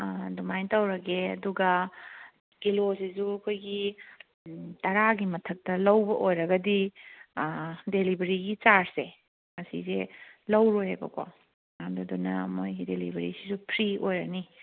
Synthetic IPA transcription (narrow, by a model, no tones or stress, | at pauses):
dumajntɐwɾɐɡeɐ̰duɡɐ | kilosizuɐkʰojɡi | tɐɾaɡimɐtʰɐk̚tɐlɐwbɐʔojɾɐɡɐdi | delibɐɾiɡit͡ʃaɾse | mɐsḭzelɐwɾojhebɐ̰kʰo̰ | amdudunɐ̰mojɡidelibʱɐɾḭsizupʰɾiojɾɐni